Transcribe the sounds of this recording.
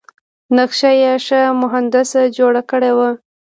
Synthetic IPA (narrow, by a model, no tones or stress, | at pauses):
naxʃajeʂəmʊɦand̪ɪsd͡ʒoɽakəɽewə